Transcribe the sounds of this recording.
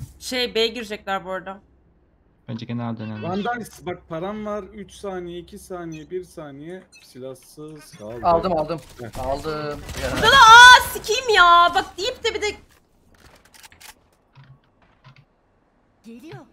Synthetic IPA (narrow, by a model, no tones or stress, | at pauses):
ʃejbejɛɟiɾd͡ʒɛclʲæɾboɾd̪a | b̥ænd͡ʒɛɟe̞nælʲd̪enɛvannd̪ajsbak̚pʰaɾanvaɾyt͡ʃsaːnijɛicʰisaːnijɛbiɾsaːnijɛ | silʲasːɯ̥kʰalˠalˠd̪ɯmalˠd̪ɯm | alˠd̪ɯmjad̪ad̪aasicʰimjaːbak̚d̪ijip̚t̪ɪbid̪ɛ | ɟ̥elʲijo